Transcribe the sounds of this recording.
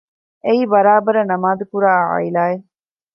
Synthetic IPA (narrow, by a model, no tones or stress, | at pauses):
eiːbɐɾaːbɐɾɐnɐmaːd̪ukuɾaːʕa̰ilaːe